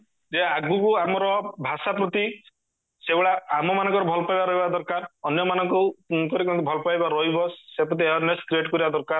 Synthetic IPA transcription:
d͡ʒeaɡukuamɔɾɔbʱasapɾɔt̪i | sebɔɭaːmɔmanɔ̃ŋkɔɾɔbʱɔlɔpajbaɾɔɦibad̪ɔɾkaɾɔnjɔmanɔŋkɔkɔɾekɔ̃nt̪ubʱɔlɔpajbaɾɔɦibɔsepɾɔt̪̬ieɔneskɾieʈkɔɾibad̪ɔɾkaɾ

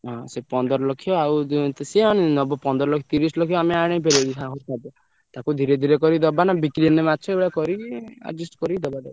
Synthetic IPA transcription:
ɦɔ̃sepɔnd̪ɔɾɔlokʰijɔawt̪siɦɔñinɔbɔpɔnd̪ɔɾɔlɔkʰjɔt̪iɾislokʰijɔameaɽ̃epeɾeikʰaɦot̪ʰabɔ | t̪akud̪ʱiɾed̪ʱiɾekɔɾid̪ɔbanabiklinemat͡ʃʰɔebɭakɔɾia̰d͡ʒisʈkɔɾid̪ɔbadeba

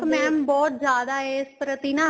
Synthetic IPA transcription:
mɛ̃ːbɔːt̪zjaːd̪aːeːspɾət̪inãː

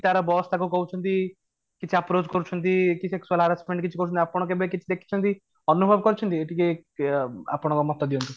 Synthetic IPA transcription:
it̪aɾɔbɔst̪ʰakukɔɦut͡ʃʰɔnt̪i | kit͡ʃʰiapɾot͡ʃkɔɾut͡ʃʰɔnt̪ikiseksualaɾasmẽɳɖ̚kit͡ʃʰikɔɾut͡ʃʰɔnt̪iapɽ̃ɔkebekit͡ʃʰid̪ekʰi̥t͡ʃʰɔnt̪i | ɔnubʱɔbkɔɾut͡ʃʰɔnt̪ieʈike | a̰pɽ̃ɔkɔmɔt̪ːɔd̪iunt̪i

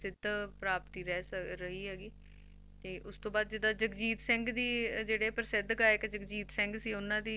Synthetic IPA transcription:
sɪd̪ʱpɾaːpt̪iːɾɛːsɾəɦiːɦɛːɡiː | t̪eːʔʊst̪õːbaːd̪̚d͡ʒɪd̪aːd͡ʒəkd͡ʒiːt̪sɪ̃ŋɡd̪iːd͡ʒeːɽeːpəɾsɪd̪kaːeɪkd͡ʒəkd͡ʒiːt̪sɪ̃ŋɡsiːʊnãːd̪iː

